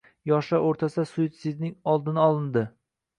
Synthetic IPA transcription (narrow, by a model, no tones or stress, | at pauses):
jɒʃaʔoɾt̪ʰasasʊjt̪sɪznɪŋɒlˠd̪ɪnɪɒlˠɪnd̪ɪ